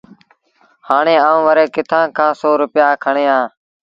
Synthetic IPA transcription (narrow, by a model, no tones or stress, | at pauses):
haːɳeːãːʋəɾeːkɪt̪ʰãːkʰãːsoːɾʊpɪjaːkʰəɳeːãː